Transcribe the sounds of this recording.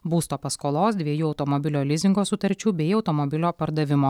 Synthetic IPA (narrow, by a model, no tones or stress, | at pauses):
buːst̪oːpɐskoːlˠoːsd̪ʲʋʲiɛjuːɒʊt̪ɔmɔbʲɪlʲoːlʲɪzʲɪŋɡoːsʊt̪ɐɾʲt͡ʃʲuːbʲɛɪɒʊt̪ɔmɔbʲɪlʲoːpɐɾd̪ɐʋʲɪmoː